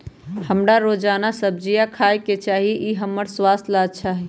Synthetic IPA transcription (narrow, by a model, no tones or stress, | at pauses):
həmɾaɾod͡ʒanasəb̚ʱd͡ʒijakʰajket͡ʃaɦiʔiɦəmːəɾswast̪ʰlad̪̚t͡ʃʰaɦɛ